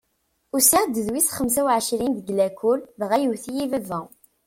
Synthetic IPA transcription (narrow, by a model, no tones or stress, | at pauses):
ʊsiʁd̪əðwisχəmsæwʕəʃɾind̪əɡlækulvʁæjəwθijivævæ